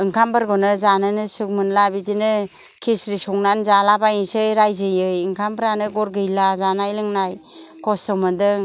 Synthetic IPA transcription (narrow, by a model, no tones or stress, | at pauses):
ɯŋkʰambɯɾɡɔnɯzanɯnɯsɯk̚mɯnlabidinɯ | kʰisɾisɔŋnanzalabajinsejɾajzɯjɯjɯŋkʰambɾanɯɡɔɾɡɯjlazanajlɯŋnaj | kʰɔstɔmɯndɯ